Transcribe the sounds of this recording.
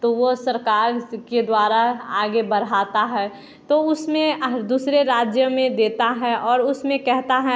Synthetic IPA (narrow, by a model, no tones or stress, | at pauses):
t̪oʋosɐɾkaːɾked̪waːɾaaːɡebɐɾ̤aːt̪aɦɛː | t̪oʊsmẽd̪uːsɾeɾaːd͡ʒjəmẽd̪eːt̪aɦɛʔɔːɾʊsmẽkɛɦt̪aɦɛ